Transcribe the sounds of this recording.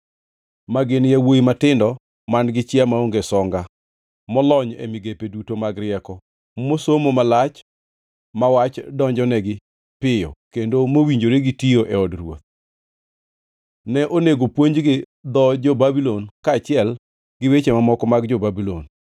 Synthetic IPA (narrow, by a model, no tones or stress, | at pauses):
maɡɪnjawojimatɪndɔ | manɡɪt͡ʃɪamaoŋɡesɔŋɡa | mɔlɔɲḛmɪɡepedutomaɡɾɪɛkɔ | mosomomalat͡ʃ | mawat͡ʃdɔɲd͡ʒɔnɛɡɪ | pɪjɔ̰kendomowiɲd͡ʒoɾeɡɪtioʔɛɔdrwo̰t̪̚ | nɛʔoneɡopwoɲd͡ʒɡɪ | d̪ɔd͡ʒobabilɔnkaːt͡ʃɪɛl | ɡɪwet͡ʃemamɔkɔmaɡd͡ʒobabilo̰n